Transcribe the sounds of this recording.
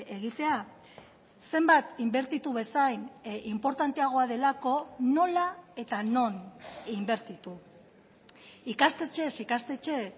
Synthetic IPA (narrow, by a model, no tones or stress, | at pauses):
e̞ɣ̞it̪e̞a | se̞mbat̪imbe̞ɾt̪it̪uβe̞sajnimpo̞ɾt̪ant̪e̞aɣ̞o̞að̞e̞lako̞no̞lae̞t̪ano̞nimbe̞ɾt̪it̪u | ikast̪e̞t͡ʃe̞sikast̪e̞t͡ʃe̞